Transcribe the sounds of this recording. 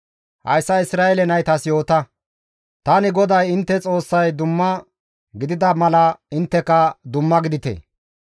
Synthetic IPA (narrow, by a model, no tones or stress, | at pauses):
hɐ̰jsːɐɪsɾaːɛlɛnɐjt̪ɐsjo̞ːt̪ɐ | t̪ɐnɪɡɔd̪ɐjɪnt̪ːɛt͡sʼo̞ːsːɐjd̪ʊmːɐ | ɡɪd̪ɪd̪ɐmɐlɐɪnt̪ːɛkɐd̪ʊmːɐɡɪd̪ɪt̪ḛ